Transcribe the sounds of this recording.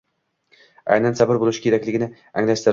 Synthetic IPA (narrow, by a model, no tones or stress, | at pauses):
a̰jnansabɪɾbolˠɪʃɪ̥kʲeakʲlɪɡʲɪnɪ | a̰ŋlast̪ɪɾ